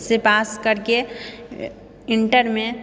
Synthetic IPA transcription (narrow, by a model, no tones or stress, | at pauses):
sepaːskəɾke | ɪ̃ɳʈəɾmẽ